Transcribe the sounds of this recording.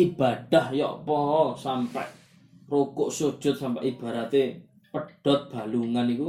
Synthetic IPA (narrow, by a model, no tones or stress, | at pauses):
ʔib̥aɖ̥ahjɔ̰ʔpɔɔsampɛ̰ʔ | rokʊʔsod̥ʒ̥ʊt̪̚sampɛ̰ʔib̥ä̤ɾat̪e | pəɖ̥ɔ̤t̪̚b̥a̤luŋaniku